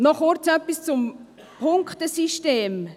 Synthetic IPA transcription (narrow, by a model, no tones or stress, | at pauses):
nɔχɔɾt͡sɛpːist͡sʊm | pʰʊŋktəsiʃteːm